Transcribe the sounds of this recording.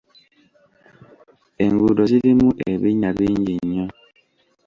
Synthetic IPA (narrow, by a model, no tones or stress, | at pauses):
eŋɡudɔsidimuʔḛbeɲabiɲd͡ʒiɲɔ